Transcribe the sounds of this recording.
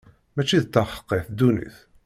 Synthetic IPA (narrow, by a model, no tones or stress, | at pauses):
mæt͡ʃːiðt̪ːɑχə̥qːeθd̪unḭθ